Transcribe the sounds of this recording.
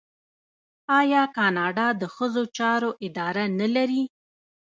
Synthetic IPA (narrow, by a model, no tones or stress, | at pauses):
ɑjɑkɑnɑɖɑd̪əxəzot͡ʃɑɾoʔɪd̪ɑɾanalaɾi